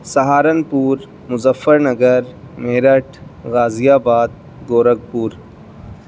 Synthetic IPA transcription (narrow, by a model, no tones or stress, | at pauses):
sɐɦaːɾɐnpuːɾ | mʊzɐfːəɾnɐɡəɾ | meːɾɐʈʰɣaːzijaːbaːd̪̚ | ɡoːɾɐɡ̚puːɾ